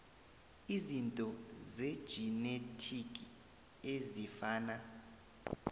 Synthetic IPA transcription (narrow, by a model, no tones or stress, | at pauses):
izintʼɔzed̥ʒ̥ʱinetʰikʼi | ezifaːna